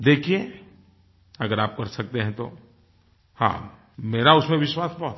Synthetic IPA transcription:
d̪eːkʰie | ɐɡəɾaːp̚kɐɾsɐk̚t̪eɦɛ̃t̪o̰ | hã̰ː | meːɾaʊsmẽʋɪʃwaːsbɔːt̪

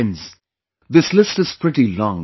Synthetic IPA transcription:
nz | ðɪslɪstɨz̥pʰɹ̥ɪɾilɔ̃ŋ

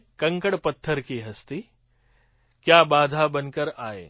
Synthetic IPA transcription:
kɐ̃ŋkəɽpɐt̪ʰːəɾkiɦɐst̪i | kjaːbaːd̪ʱabɐnkəɾaːɦḛː

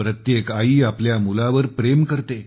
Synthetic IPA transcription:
ɾət̪jekaiːapljamulaʋəɾpɾemkəɾt̪e

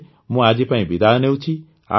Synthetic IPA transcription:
mũad͡ʒipãĩbɪd̪aneut͡ʃʰi | a̰

